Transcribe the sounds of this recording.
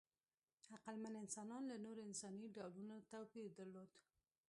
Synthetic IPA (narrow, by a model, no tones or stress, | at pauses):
aqalmanɪnsɑnɑnlanoɾoɪnsɑniɖɑwlunot̪awpiɾd̪aɾlod̪